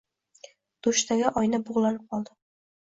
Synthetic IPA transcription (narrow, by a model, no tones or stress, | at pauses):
d̪̥oʃt̪aɡʲaʔɒjnaboʁlˠanɪp̚qʰɒlˠd̪ɪ